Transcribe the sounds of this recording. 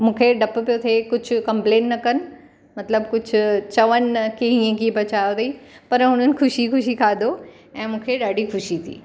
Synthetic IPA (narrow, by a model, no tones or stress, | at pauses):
mũːkʰeɖɐppijot̪ʰekʊd͡ʑʱʊ̆kɐ̃mpleːnnːɐkɐnɪ̆ | mɐt̪ləbkʊd͡ʑʱʊt͡ɕɐʋənkeĩẽkibɐt͡ɕaːjot̪iːpɐɾɦʊn̤ənɪ̆xʊʃixʊʃ̬ikʰaːd̪o | ɛ̃ːmũːkʰeɗaːɖixʊʃit̪ʰḭː